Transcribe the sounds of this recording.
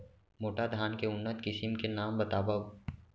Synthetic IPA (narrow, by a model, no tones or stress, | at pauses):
moːʈad̪ʱaːnkeʊnːət̪kɪsɪmkenaːmbɐt̪aːbəʋ